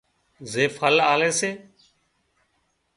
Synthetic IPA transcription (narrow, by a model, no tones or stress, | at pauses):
zeːfəlaːleːseː